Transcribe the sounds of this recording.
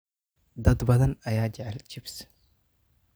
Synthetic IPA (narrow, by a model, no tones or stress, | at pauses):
d̪ɐd̪bɐd̪ɐnɐjaːd͡ʒaʕald͡ʒɪbs